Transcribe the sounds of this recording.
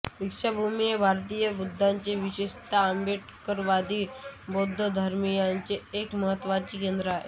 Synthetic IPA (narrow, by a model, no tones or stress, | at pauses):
ʋikʂabʱumijebʱaɾt̪ijəbud̪ʱːaɲt͡ɕeʋiɕeʂt̪aəmbeʈkəɾʋad̪iːbod̪ʱːəd̪ʱəɾmijaɲt͡ɕeːkməɦət̪ːʋat͡ɕiːkend̪ɾəaɦḛ